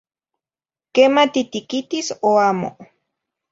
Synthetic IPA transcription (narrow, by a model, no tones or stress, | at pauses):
kemat̪it̪ikit̪isoamo̰